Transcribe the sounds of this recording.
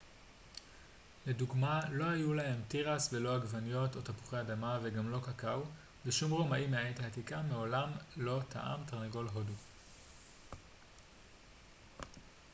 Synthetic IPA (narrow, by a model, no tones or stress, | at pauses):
leduɡmalo̞ajulaɦe̞mtiʁasvelo̞haɡvanijo̞to̞tapu̥χeadamaveɡamlo̞kakau | beʃumʁomaʔimeajejtaːtikameo̞lamlo̞tʰa̰ʔa̰mtaʁnaɡo̞lɦo̞du